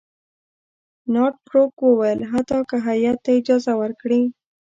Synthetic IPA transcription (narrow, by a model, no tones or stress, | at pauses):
nɑʈ̚kɾokwəwajəlɦat̪ɑkəɦajat̪ːaɪd͡ʒɑzawəɾkɽi